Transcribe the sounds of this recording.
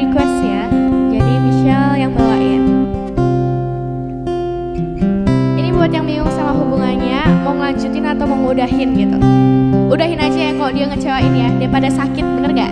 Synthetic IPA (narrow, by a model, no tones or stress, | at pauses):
ikwɛsɲad͡ʒadifiʃialjaŋməlaɪn | inibuat̪jaŋbiŋʊŋsamaɦubuŋanɲamaŋlaɲd͡ʒut̪ɪnat̪awməŋudaɦɪnɡit̪ṵ | udaɦɪnad͡ʒajakalodiaŋət͡ʃawainijadajpadasakɪt̪̚bəkərɡa